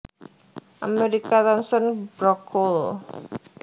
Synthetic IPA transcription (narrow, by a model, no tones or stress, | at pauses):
ʔameɾikat̪ɔmsɔnb̥ɾɔkʰɔl